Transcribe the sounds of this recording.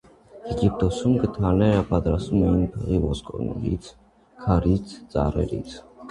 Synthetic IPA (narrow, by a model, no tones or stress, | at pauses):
ɛɡip̚ʰt̪ʼɔsumɡt̪ʰanɛɾabʼad̪ɾasumɛnpʰʁivɔskʼɔ̰nḭɾḭt̪sʰ | kʰaɾit̪sʰt͡s̪ʼa̰ɾɛ̰ɾḭt̪ʰ